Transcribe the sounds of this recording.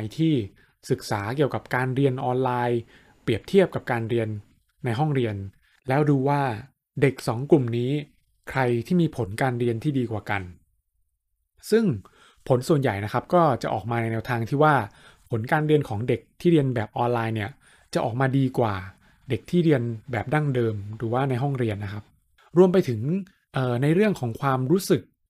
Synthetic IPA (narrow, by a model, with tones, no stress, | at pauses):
jt̪ʰiː˥˩ | sɯ˨˩k̚saː˩˦ki˨˩əwka˨˩p̚kaː˧nɾi˧ənʔɔː˧nlaː˧j | pɾi˨˩əp̚t̪ʰi˥˩əp̚ka˨˩p̚kaː˧nɾi˧ənː | a˧jɦɔ˥˩ŋɾi˧ən | lɛː˦˥wduː˧waː˥˩ | de˨˩k̚sɔː˩˦ŋklu˨˩mniː˦˥ | kʰɾa˧jt̪ʰiː˥˩miː˧pʰo˩˦nkaː˧nɾi˧ənt̪ʰiː˥˩diː˧kwaː˨˩ka˧n | sɯ˥˩ŋ | pʰo˩˦nsu˨˩ənja˨˩jna˦˥kʰa˦˥p̚kɔː˥˩t͡ɕa˨˩ʔɔ̰ː˨˩k̚maː˧na˧jnɛː˧wt̪ʰaː˧ŋt̪ʰiː˥˩waː˥˩ | pʰo˩˦nkaː˧nɾi˧ənkʰɔː˩˦ŋde˨˩k̚t̪ʰiː˥˩ɾi˧ənbɛː˨˩p̚ʔɔː˧nlaː˧jni˥˩ɐ | t͡ɕa˨˩ʔɔ̰ː˨˩k̚maː˧diː˧kwaː˨˩ | de˨˩k̚t̪ʰiː˥˩ɾi˧ənbɛː˨˩p̚da˥˩ŋdɤː˧mɾuː˩˦waː˥˩na˧jɦɔ˥˩ŋɾi˧ənːa˦˥kʰa˦˥p̚ | ɾu˧əmpa˧jt̪ʰɯ˩˦ŋ | ʔɤː˨˩na˧jɾɯ˥˩əŋkʰɔː˩˦ŋkʰwaː˧mɾuː˦˥sɯ˨˩k̚